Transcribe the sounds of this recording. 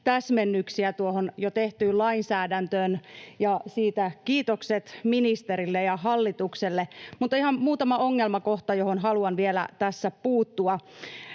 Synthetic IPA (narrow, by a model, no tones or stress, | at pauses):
t̪æsmenːyksiæt̪uohonjot̪eht̪yːllɑinsæːdænt̪øːnjɑsiːt̪ækiːt̪okset̪minist̪eɾilːejɑɦɑlːit̪ukselːemut̪ːihɑmmuːt̪ɑmɑoŋːelmɑkoht̪ɑjohonɦɑluɑnʋielæ̰t̪æsːæpuːt̪ːuɑ